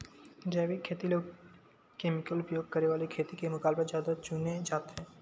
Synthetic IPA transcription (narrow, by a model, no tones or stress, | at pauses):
d͡ʒɛbikʰːet̪ilo | kemikəlupɾjoɡ̚kəɾebalikʰet̪ikemokalbad͡ʒad̪ot͡ʃuned͡ʑat̪e